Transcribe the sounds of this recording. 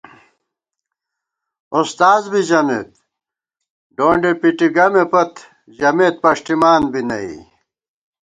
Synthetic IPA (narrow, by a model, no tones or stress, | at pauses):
ust̪aːzbid͡ʑɐmḛːt̪̚ | ɖoːɳɖepiʈiɡɐmepɐt̪ | d͡ʑɐmeːt̪̚pɐʂʈ̪imaːnbʱinɐḭ